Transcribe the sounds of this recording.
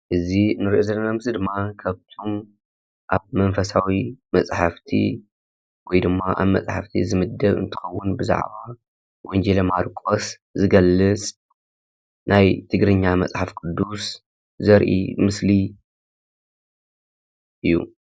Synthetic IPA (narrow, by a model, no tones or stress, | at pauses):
ʔɨzinɨɾiʔozɐlːɐnamɨsid̪ɨmːakʰaβt̪ʰom | ʔaβmɐnfɐsawimɐt͡sʼħaft̪ʰḭ | wɔjd̪ɨmːaʔa̰βmɐ̰sʼħa̰ft̪ʰḭzɨmɨd̪ːɐβɨ̰nt̪ʰɨ̥xɐwːʊnbɨza̰ʕβa | wɔnd͡ʒelɐmaɾkʼos | zɨɡɐlːɨt͡sʼ | najt̪ʰɨɡɾɨɲːamɐt͡sʼħafkʼɨd̪ːus | zɐɾʔḭmɨsli | ʔɨjːṵ